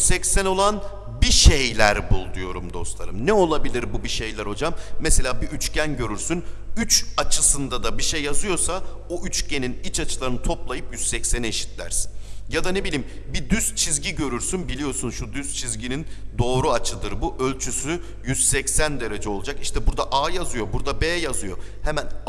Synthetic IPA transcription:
sɛcsæno̞lˠan | biʃejlʲæɾbulˠd̪ujo̞ɾṵmd̪o̞̰st̪lˠa̰ɾɯmnɛo̞lˠabilʲiɾbubiʃejlʲæɾo̞d͡ʒamːese̞lʲaːbiʔyt͡ʃcænɟøɾyɾsynyt͡ʃat͡ʃʰɯsɯnd̪ad̪abiʃejːazɯjo̞ɾsaoʔyt͡ʃce̞ninit͡ʃʰat͡ʃʰɯlˠaɾɯnɯt̪ʰo̞plˠajɯpjyz̥sɛcsæneʃi̥t̪lʲæ̰ɾsi̥njad̪ane̞bilʲiːmbid̪yzt͡ʃʰizɟiɟø̞ɾyɾsynbilʲijo̞sunʃud̪yzt͡ʃʰizɟinind̪o̞ːɾuat͡ʃʰɯd̪ɯɾbuʔø̞lʲt͡ʃʰysy | jyz̥sɛcsænd̪e̞ɾe̞d͡ʒɛo̞lˠud͡ʒakiʃt̪ʰɛbuɾd̪aʔaːjazɯjo̞buɾd̪abeːjazɯjo̞̰hemæn

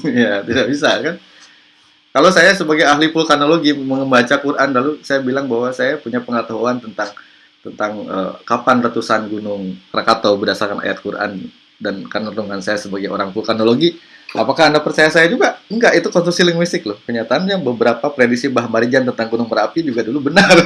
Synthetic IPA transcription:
jat̪idaʔbis̬akan | kalowsajasəbaɡajaɦlipulkanoloɡiməŋəmbat͡ʃakurʔanlalusajabilaŋbaɦwasajapuɲapəŋət̪aɦuant̪ənt̪aŋ | t̪ənt̪aŋə̰kapanrət̪usanɡunʊŋkəɾakat̪obədasarkana̰ja̰t̪̚kurʔa̰n | dankanəruŋansajasəbaɡajo̰ɾaŋpulkanoloɡiʔapakaːndapərt͡ʃajasajad͡ʒuɡaŋɡaʔit̪ukɔnst̪ɾusilɪŋwist̪ɪklʊhkəɲat̪aːnɲabəbəɾapapɾedisibaɦmaɾid͡ʒant̪ənt̪aŋɡunʊŋməɾapid͡ʒuɡadulubənar

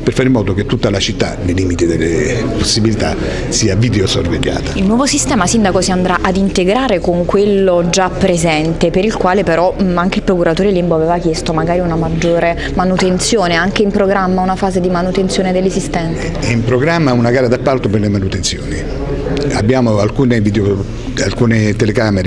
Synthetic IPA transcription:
perfaːɾimːɔːd̪oket̪ːut̪ːalat͡ʃit̪ːa̰neliːmit̪id̪elːeposːibilit̪a̰ | siːavid̪eosorvḛʎːa̰ːt̪ailnwɔːvosist̪ɛːmasind̪akosiand̪ɾaʔad̪int̪eɡɾaːɾekoŋkwelːod͡ʒapːɾezɛnt̪epeɾilkwaːlepeɾɔaŋk̟eilpɾokuɾat̪oːɾelimboaveːvak̟jest̪omaɡaːɾiunamad͡ʒːoːɾe | manut̪ent̪sjoːneaŋk̟eimpɾoɡɾamːaunafaːzed̪imanut̪ensjoːned̪elːezist̪ɛnt̪aimpɾoɡɾamːaunaɡaːɾad̪apːalt̪operlemanut̪ensjo̰ːni | a̰bːjaːmoalkuːneviːd̪eo | alkuːnet̪elekaːmeɾe

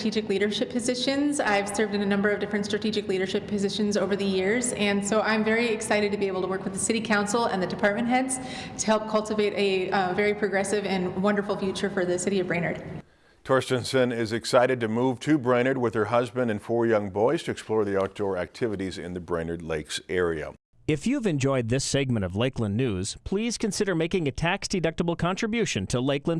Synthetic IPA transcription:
tʰid͡ʒɨkliɾə˞ʃɪpʰɨzɪʃɨ̃nza̰ɪv̥sɜ˞vdɨ̃nɨnʌ̃mbə˞ʌvdɪfɹɨ̃ntstɹ̥ɨtʰid͡ʒɨkliɾə˞ʃɪpʰːɨzɪʃɨ̃nzoʊvə˞ðɨjɪɹzɨ̃nsoʊʔãɪ̃ɱvɛɹiɪksaɪɾɨd̚tɨbieɪbl̩ˠtʰəwɜ˞kwðəsɪɾikʰãʊ̃nsl̩ˠə̰̃nðɨdɨpʰɑɹt̚mɨ̃nʔ̚ɦɛdz̥ | tʰəhɛlˠp̚kʰʌlˠtɨveɪɾʔɨvɛɹipʰɹ̥ɨɡɹɛsɨvɨ̃nwʌ̃ndə˞fl̩ˠfjʉt͡ʃə˞fə˞ðɨsɪɾiʌvbɹẽɪñə˞d̥ | tʰɔɹstɨ̃nsɨ̃nɪzɨksaɪɾɨd̚tɨmuv̥tʰɨbɹẽɪ̃ñə˞d̚wɨð̥ə˞ɦʌzbɨ̃ndɨ̃nfɔɹjʌ̃ŋbɔɪz̥tʰɨɨksplɔɹðiɑk̚d̥ɔɹæ̰k̚tʰɪvɨɾizɪ̰̃nðɨbɹẽɪ̃nə˞dˡleɪksɛɹiɨ̰ | ɨfjʉvɨ̃nd͡ʒɔɪd̪̚ðɪsɛɡ̚mɨ̃ɾ̃ʌvleɪklə̃nːʉz̥pʰl̥iz̥kɨ̃nsɪɾə˞meɪkɪ̃ŋɨtʰæksd̥ɨdʌk̚təbl̩ˠkʰɑ̃ntɹ̥ɨbjʉʃɨ̃ntʰəleɪklə̃n

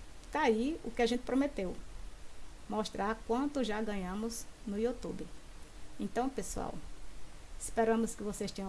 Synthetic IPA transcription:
t̪aiʊkɪaʒẽnt̪ɪ̥pɾomet̪ew | moʃt̪ɾaɾkwɐ̃nt̪ʊʒaɡɐ̃ɲɐ̃mʊznʊjut̪ubɪẽt̪ɐ̃w̃pesua̰w | ɪspɛɾɐ̃mʊskɪvosest̪ẽɲ̃

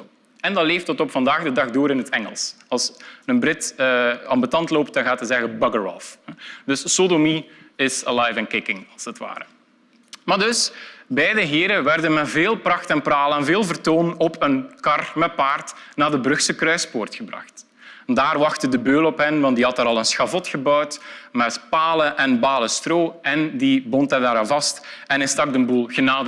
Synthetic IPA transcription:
ɛndɑleːftətɔpfɑndaːɣdədɑxdoːɾɪnɦətɛŋəlˠs | ɑlˠsənbrɪtəɑmbətɑntloːp̚t̚dɑnɣaːtɦəzɛɣəbɑɡəɹɔ̰lfdɵsːodomiɪsəlajfɛnkɪkɪŋɑlˠsətʋa̰ːɾə | maːrdɵsbɛjdəɦɪːɾəʋɛrdənmɛtveːlˠprɑxtɛnpraːləɛnveːlˠvərtoːnɔpʰənkɑrmɛt̚paːrtnaːdəbɾɵxsəkrœɥspoːrtxəbrɑ̰xt | ndaːrʋɑxtədəbøːlɔpɦənʋɑntdiɦɑtaːɾɑlˠənsxɑvɔtxəbœwtmɛtpaːləʔɛnbaːləstroːɛndibɔntɛdaːɾaːnvɑstɛnɛstɑɡ̚dənbulˠɣənaːdə

